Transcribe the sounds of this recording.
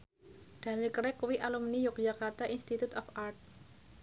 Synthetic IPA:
ɖ̥a̤nilkɾɛkwiʔalumnijʊk̚d͡ʒakart̪aʔinst̪it̪ut̪ɔfart̪̚

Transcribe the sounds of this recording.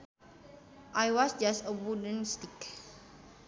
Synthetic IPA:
ʔajwɔsd͡ʒastəwudə̃nstik

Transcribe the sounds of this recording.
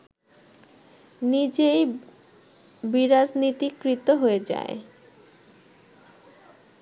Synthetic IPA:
nid͡ʑej | biɾad͡ʑnit̪ikɾit̪ːoɦoed͡ʑa̰e

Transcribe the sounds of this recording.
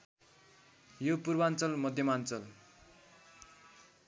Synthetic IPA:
jopurbant͡sʌlmʌd̪ʱjʌmant͡sʌl

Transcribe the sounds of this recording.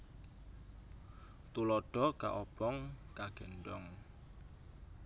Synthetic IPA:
t̪ulɔɖ̥ɔka̰ʔɔb̥ɔŋkaɡ̥ɛ̤nɖɔŋ

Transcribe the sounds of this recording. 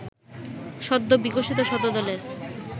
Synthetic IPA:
ʃɔd̪ːobiɡoʃit̪oʃɔd̪od̪ɔleɾ

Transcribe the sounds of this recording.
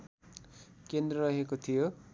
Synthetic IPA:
kend̪rʌɾʌɦekot̪ʰijo

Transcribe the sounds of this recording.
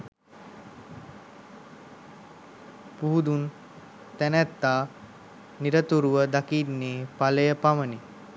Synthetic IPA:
puɦud̪un | t̪ænæt̪ːaː | niɾət̪uɾuʋəd̪akinːeːpaləjəpaməni

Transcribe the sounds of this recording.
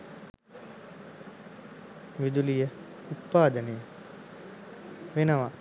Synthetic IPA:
ʋid̪ulijə | ut̪̚paːd̪ənejə | ʋenəʋa

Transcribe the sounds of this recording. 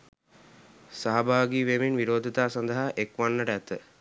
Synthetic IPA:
saɦabaːɡiːʋeminʋiɾoːd̪ʱit̪aːsand̪əɦaʔekʋanːəʈəæt̪ə

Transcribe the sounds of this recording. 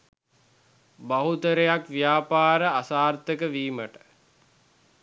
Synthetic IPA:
baɦut̪əɾejakʋijaːpaːɾəasaːrt̪əkəʋiːməʈə̥

